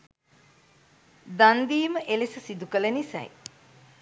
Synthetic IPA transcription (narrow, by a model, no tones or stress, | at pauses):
d̪and̪iːməʔelesəsid̪ukələnisæ̰j